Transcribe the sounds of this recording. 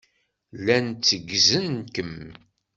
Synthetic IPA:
lænt͡sːəɡzənkəm

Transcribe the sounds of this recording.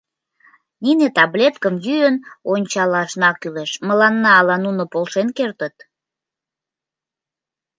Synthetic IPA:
ninet̪ɑblʲet̪kəmjyənonʲt͡ɕɑlɑʃnɑkyleʃməlɑnːɑːlɑnunopolʃenkert̪ət̪

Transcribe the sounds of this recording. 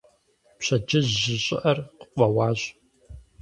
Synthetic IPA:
pɕɐd͡ʒɨʑːɪɕʼɪʔɐrqə̥qʷɐwɑːʑʼ

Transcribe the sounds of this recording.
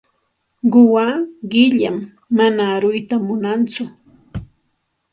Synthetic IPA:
ɢʊwaɢɪʎa̰mː | anaɾʊjt̪amʊnant͡sʊ

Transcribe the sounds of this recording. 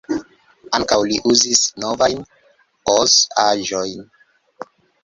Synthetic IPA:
aŋkawliʔuzisnovajn | ozaʒojn

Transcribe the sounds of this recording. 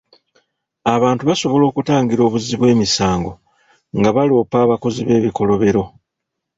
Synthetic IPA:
aβaːntuβaso̞βo̞lo̞ːkutaːŋɡiɾo̞ːβuziβwe̞ːmisaːŋɡo | ŋɡaβalo̞ːpaːβako̞ziβe̞ːβiko̞lo̞βe̞ɾo̞

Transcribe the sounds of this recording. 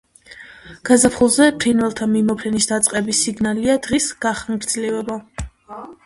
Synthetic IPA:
ɡ̥azapʰχulˠzɛpʰɾinvɛlˠt̪ʰamimɔpʰɾɛnisd̪at̪sʼqʼɛbisiɡnaliad̪̥ʁisɡ̥aχaŋɡɾd̪zlɛvɛba

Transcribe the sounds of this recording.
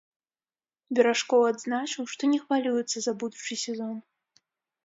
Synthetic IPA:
bʲɛɾaʂkɔwad̪znat͡ʂɨwʂt̪ɔnʲɛxvalʲujɛt̪sːɐzɐbud̪ut͡ʂɨjsʲɛzɔn

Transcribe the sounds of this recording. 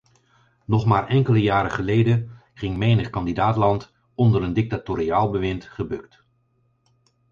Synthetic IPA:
nɔχmaːɹʔɛŋkələjaːɾəχəlejdə | χɪŋmejnəχkɑndidaːtlɑnt | ɔndəɾəndɪk̚tatoɾiaːlˠbəʋɪntχəbɵkt

